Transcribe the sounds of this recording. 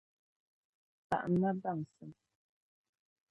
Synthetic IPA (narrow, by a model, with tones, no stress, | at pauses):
pa̰˨ʔna˦ba˦˨ŋsə˨m